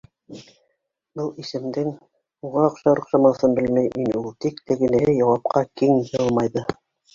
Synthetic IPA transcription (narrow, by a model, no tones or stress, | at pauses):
bɤlˠisɘ̆md̪ɘŋ | uʁɑŏqʃɑŏqʃɑmɑθɤnbɘlmæjminulˠt̪ikt̪ɘ̆ɡɘ̆nɘ̆ɦɘjɑwɑp̚qɑkiŋjɤlˠmɑjðɤ